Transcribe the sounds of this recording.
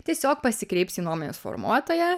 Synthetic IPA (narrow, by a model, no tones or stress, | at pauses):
t̪ʲiɛsʲoːk̚pɐsʲɪkɾʲɛɪpʲsʲiːnuɔmɔnʲɛsfɔ̰ɾmuɔt̪oːjɛ